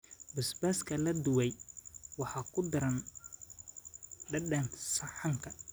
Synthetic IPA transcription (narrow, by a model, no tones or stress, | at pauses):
bɐsbaskʰɐlɐd̪ʊwɛjwɑħɑːkʰʊd̪ɐɾɐn | ɖɐɖɐnsɐħɑŋkʰɐ